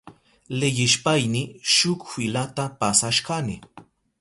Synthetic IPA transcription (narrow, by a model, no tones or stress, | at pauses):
lɪjɪʃpajnɪʃʊkfɪlat̪apasaʃkanɪ